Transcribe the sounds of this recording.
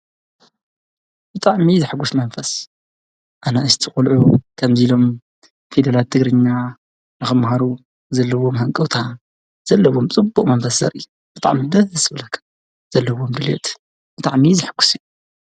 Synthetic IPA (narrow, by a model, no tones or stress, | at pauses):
b̥ɨt̪ʼaʕmizɨħɡusmɐnfɐs | ʔanaɨst̪ʰiχʼulʕukʰɐmzilo̞m | fid̪ɐlat̪ʰːɨɡɾɨɲːa | nɨxɨmhaɾu | zɐlːɐwo̞mɦɐŋkʼɐwt̪ʰa | z̥ɐlːɐwomt͡sʼɨbːuqʼmɐnfɐszɐ̰ɾʔɨjːu | b̥ɨt̪ʼa̰ʕmid̪ɐzɐsɨβɨlɐkʰːɐ̥ | z̥ɐlːɐwo̞md̪ɨlḛt̪ʼ | b̥ɨt̪ʼaʕmizɨħɡ̥ːu̥sɨju